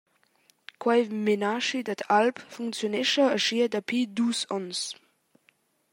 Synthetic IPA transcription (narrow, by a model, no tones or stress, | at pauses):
kʰwaɪmenaʃidatʰalpfuŋkt͡sjonɪʃɐɐʃiɐdapʰiːdusɔns